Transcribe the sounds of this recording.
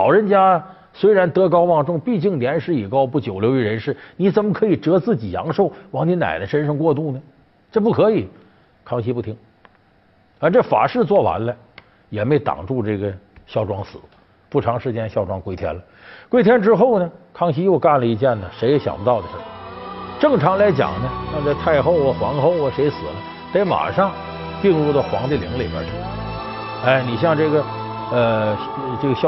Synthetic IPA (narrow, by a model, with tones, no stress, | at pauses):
lɑ̰˨˩ʊɻə˧˥nt͡ɕja˥ | swe˥ɪɻa˧˥nt̪ɤ˥kɑ˥ʊwɑ˥˧ŋʈ͡ʂʊ˥˩ŋpi˥˧t͡ɕi˥˩ŋljɛ˧˥nʂɻ̩˥i˨˩kɑ˥ʊpu˥˩t͡ɕjo˨˩ʊljo˧˥ʊi˧˩ɻə˧˥nʂɻ̩˥˩ni˧˩t͡sə˨˩nmə˧kʰɤ˧˥i˨˩ʈ͡ʂɤ˧˥t͡sɹ̩˥˩t͡ɕi˨˩jɑ̰˧˥ŋʂo˥˩ʊwɑ˧˥ŋni˧˥na̰˨˩ɪd̪ə˦ʂə˥nʂɤ˧ŋkwɔ˥˧t̪u˥˩nə˩ | ʈ͡ʂɤ˥˧p̬u˥˩kʰɤ˧˥i˨˩˦ | kʰɑ˥ŋɕi˧˥pu˥˩t̪ʰi˧˥ŋ | a˧˥ʈ͡ʂɤ˥˩fa̰˨˩ʂɻ̩˥˧t͡swɔ˥˩wa̰˧˥nlə˧ | jɛ˨˩me˧˥ɪt̪ɑ̰˨˩ŋʈ͡ʂu˥˧ʈ͡ʂɤ˥˩ɡə˩ | ɕjɑ˥˩ʊʈ͡ʂwɑ˥ŋsɹ̩̰˨˩˦ | pu˥˩ʈ͡ʂʰɑ˧˥ŋʂɻ̩˧˥t͡ɕjɛ˥nɕjɑ˥˩ʊʈ͡ʂwɑ˥ŋkwe˥ɪt̪ʰjɛ̰˥nlə˨ | kwe˥ɪt̪ʰjɛ˥nʈ͡ʂɻ̩˥xo˥˩ʊnə˩kʰɑ˥ŋɕi˥jo˥˧ʊka˥˩nlə˩i˧˥t͡ɕjɛ˥˩nnə˩ʂe˧˥ɪjɛ˧˥ɕjɑ̰˨˩ŋpə˥t̪ɑ˥˩ʊd̪ə˩ʂɻ̩˥˩ʈ͡ʂɤ˥˩ŋʈ͡ʂʰɑ˧˥ŋla˧˥ɪt͡ɕjɑ̰˨˩ŋnə˧ɕjɑ˥˧ŋt͡sa˥˧ɪt̪ʰa˥˧ɪxo˥˩ʊə˨˩xwɑ˧˥ŋxo˥˩ʊə˩ʂe˧˥ɪsɹ̩˨˩lə˦ | t̪a˥˩ɪma̰˨˩ʂɑ˥˧ŋ | t̪i˥˧ŋɻu˥˩d̪ə˩xwɑ̰˧˥ŋt͡sa˥˩ɪlḭ˧˥ŋlḭ˨˩ə̰˧˥ʂ̩˥˩˧ | a˥˩ɪni˨˩ɕjɑ˥˧ŋʈ͡ʂɤ˥˩ɡə˩ | ə˧ʈ͡ʂɤ˥˩ɡə˩ɕj